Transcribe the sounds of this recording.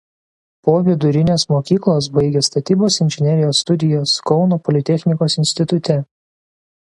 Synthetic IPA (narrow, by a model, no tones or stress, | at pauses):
poːʋʲɪd̪ʊɾʲɪnʲeːsmoːkʲiːklˠoːs̬bɐɪɡʲeːst̪ɐt̪ʲiːboːsɪnʲʒʲɪnʲɛɾʲɪjoːst̪ʊd̪ʲɪjoːskɔʊnoːpɔlʲɪt̪ʲɛxʲnʲɪkoːsɪnʲsʲt̪ʲɪt̪ʊt̪ʲɛ